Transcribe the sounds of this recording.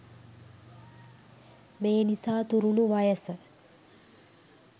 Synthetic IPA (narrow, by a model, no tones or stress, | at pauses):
meːnisaːt̪uɾunuʋajəsə